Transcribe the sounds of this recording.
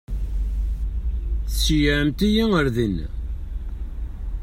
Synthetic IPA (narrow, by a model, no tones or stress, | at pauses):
θsijʕəmt̪ijiəɾðin